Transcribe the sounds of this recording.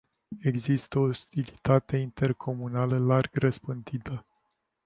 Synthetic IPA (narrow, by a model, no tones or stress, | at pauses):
e̞ɡzist̪əoust̪ilit̪at̪e̞int̪e̞rkʰo̞munaləlarɡrəspɨnd̪it̪ə